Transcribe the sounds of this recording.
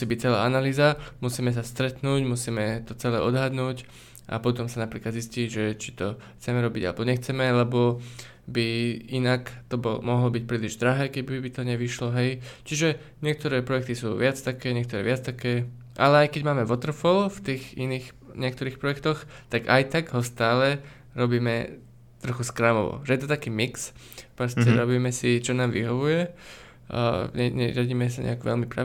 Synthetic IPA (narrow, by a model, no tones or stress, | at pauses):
siːbic̚t͡sɛla̰ːanaliːzamusiːmɛs̬ast̪ɾɛt̪nuːɟmusiːmɛt̪ɔt͡sɛlɛ̰ːʔɔd̪ɦad̪nuːc | ʔa̰pɔt̪ɔmsanapɾiːklad̪zisciːʒɛt͡ʃi̥t̪ɔxt͡sɛmɛɾɔbiɟa̰lɛbɔɲɛxt͡sɛmɛlɛbɔ | biinakt̪ɔbɔlɔ̰mɔɦlɔbic̚pɾiːliʒd̪ɾaɦɛːkɛbibit̪ɔɲɛʋiʃlɔɦɛjt͡ʃiʒɛ | ɲɪɛk̚t̪ɔɾɛːpɾɔjɛk̚t̪isṵːʋɪat͡st̪akɛːɲɛk̚t̪ɔɾɛ̰ːʋɪat͡st̪akɛː | ʔalɛajkɛɟmaːmɛʋɔt̪r̩fɔlft̪iːxiniːx | ɲɪɛk̚t̪ɔɾiːxpɾɔjɛkt̪ɔxt̪aɡajt̪aɡɦɔst̪aːlɛ | ɾɔbiːmɛ | t̪ɾɔxuskɾamɔ̰ʋɔ̰ʒɛjɛt̪ɔt̪akiːmiks | pɾɔstɛɾɔbiːmɛsit͡ʃɔnaːmʋḭɦɔʋujɛ̰ | ɲɛɲɛ̰ɾɪ̰aɟiːmɛsaɲʔɛ̰akʋɛ̰lmipɾa̰